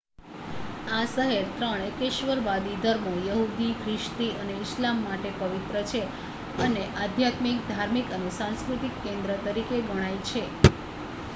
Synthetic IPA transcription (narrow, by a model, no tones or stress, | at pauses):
asəɦeɾt̪ɾəɳ̃ekeʃʋəɾʋad̪id̪ʱəɾmojəɦud̪ikʰɾɪʃt̪iəneɪslamːaʈepəʋit̪ɾət͡ʃʰe | əneʔad̪ʱjat̪mik̚d̪ʱaɾmikənesãnskɾut̪ikːẽnd̪ɾət̪əɾikeɡəɽ̃ajt͡ʃʰe